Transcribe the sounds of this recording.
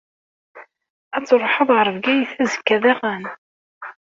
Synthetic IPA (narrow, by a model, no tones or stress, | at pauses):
æt͡sːɾˤoħəðˤʁəɾˤəvɡæjθæzə̥kːæðæʁæn